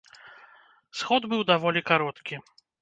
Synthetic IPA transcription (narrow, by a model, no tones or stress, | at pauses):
sxɔd̪bɨwd̪avɔlʲikaɾɔt̪kʲi